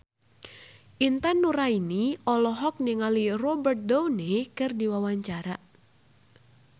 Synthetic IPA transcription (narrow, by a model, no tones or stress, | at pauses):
ʔint̪anːuɾainiɔlɔɦɔk̚niŋalirɔbərt̪̚downekɨrdiwawaɲt͡ʃaɾa